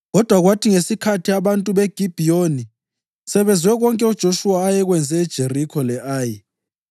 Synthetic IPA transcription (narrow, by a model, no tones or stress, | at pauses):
ɣɔd̥ʱwaɣwatʰiŋesikʰatʰiaβantʼuɓeɡ̥ʱib̥ʱijoni | sɛβɛnd͡zʱwɛɣɔŋkʼɛud̥ʒ̥ʱoʃuwaːjɛɣwɛnd͡zʱɛːd̥ʒ̥ʱerikʰɔlɛʔaːji